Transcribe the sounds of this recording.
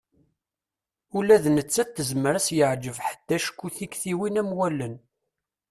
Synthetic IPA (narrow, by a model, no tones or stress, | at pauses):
ulæðnət͡sːæt̪ːəzməɾæsjəʕd͡ʒəvħə̥d̪̥ːæʃə̥kːuθikθiwinæmwælən